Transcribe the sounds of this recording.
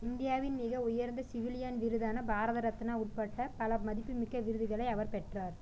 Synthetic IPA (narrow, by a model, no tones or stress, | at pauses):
ɪnd̪ɪjaːʋɪnmɪɣɐʊjɐɾnd̪ɐsɪʋɪlɪjɐnʋɪɾɯðaːnɐbaːɾɐðɐɾɐt̪ːɪnaːʊʈ̚pɐʈːɐpɐlɐmɐðɪpːɯmɪkːɐʋɪɾɯðɯɣɐɭɐɪɐʋɐɾpɛʈraːɾ